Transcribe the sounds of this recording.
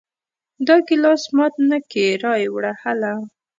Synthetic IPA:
d̪ɑkɪlɑsmɑt̪̚nakeɾɑjwɽahala

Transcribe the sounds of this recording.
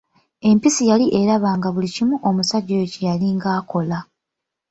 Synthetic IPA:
e̞mpisijaliʔe̞ɾaβaːŋɡaβulicimuʔomusaɟːoecijaliŋɡaːko̞la

